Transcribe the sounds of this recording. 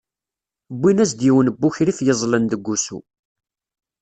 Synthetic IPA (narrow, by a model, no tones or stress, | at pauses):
bːinæzd̪jiwənəbːuçɾifjəzˤlənd̪əɡʷːusṵ